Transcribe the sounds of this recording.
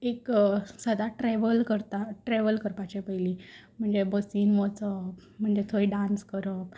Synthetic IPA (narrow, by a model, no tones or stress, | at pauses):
eksəd̪aʈɾɛʋəlkəɾt̪aʈɾeʋəlkəɾpat͡ɕepəjlim̤əɳd͡zebəsiːnʋot͡səm̤əɳd͡zet̪ʰoiɖãnskəɾək̚